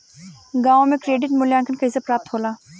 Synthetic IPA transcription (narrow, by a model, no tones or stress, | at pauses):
ɡãːõmẽkɾeːɖɪʈmʊljãːŋkənkaɪzəpɾaːp̚t̪ʰɦoːlaː